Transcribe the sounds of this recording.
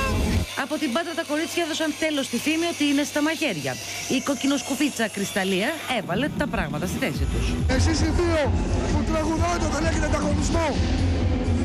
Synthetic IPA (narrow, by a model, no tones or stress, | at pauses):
ɐpo̞t̪imbɐt̪ɾɐt̪ɐko̞ɾit͡sçɐeðo̞sɐnt̪e̞lo̞st̪iθimio̞t̪iine̞st̪ɐmɐʝe̞ɾʝɐ̰ | iko̞cino̞skupit͡sɐkɾist̪ɐliɐe̞vɐle̞t̪ɐpɾɐɣmɐt̪ɐst̪iθe̞sit̪usesisiθioput̪ɾɐɣuðoet̪eot̪ɐleçet̪eɐnd̪ɐɣo̞nizmo